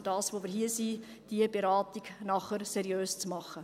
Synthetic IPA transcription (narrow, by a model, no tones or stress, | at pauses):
d̥ɑːsʋoːmɪɾɦiəsiː | d̥iəbeɾɑːtiɡnɑχəɾsɛɾjøːst͡smɑχə